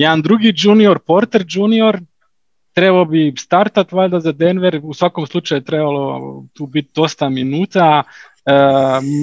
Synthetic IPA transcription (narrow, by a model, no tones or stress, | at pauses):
jɛd̪and̪ɾuɡid͡ʒuːnio̞ɾpo̞ɾt̪e̞ɾd͡ʒuːnio̞ɾ | t̪ɾe̞balobist̪aɾt̪at̪ʋlad̪azad̪enʋeɾusʋako̞mslˠut͡ʃajut̪ɾebalo̞t̪uːbit̪̚d̪o̞st̪aminuːt̪a | ə